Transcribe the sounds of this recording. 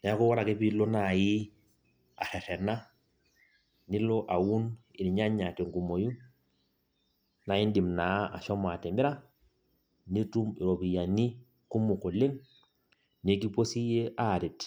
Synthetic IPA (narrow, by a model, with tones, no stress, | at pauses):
na˨a˦kɔ˦wa˦ɾa˨ke˦pi˦lo˦na˨ji˦ | a̰˨ɾɛ˨ɾɛ˨na˦ | nɪ˦lɔ˦ʔa˨wu˦nɪ˨ɾi˨ɲa˦ɲa˨te˨ŋku˨mo˨ju˦n | na˨ji˦n˦di˨mna˨˦a̰˨ʃɔ˦ma˨tɛ˨mi˦ɾa˦ | ni˦tu˦mi˨ɾo˨pi˨ja˨ni˦ | ku˦mu˨ko˨le˦ŋ | ne˦k̬i˦po˦si˦je˦ʔa˦˨ɾi˨t